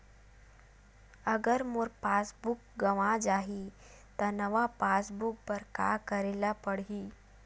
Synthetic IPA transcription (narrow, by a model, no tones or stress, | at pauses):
ɐɡəɾmʊɾpaːsbʊk̚ɡɐʋãd͡ʒaːɦi | t̪ɐnɐʋapaːsbʊk̚pɐɾka̰ːkɐɾeːlapɐɽiː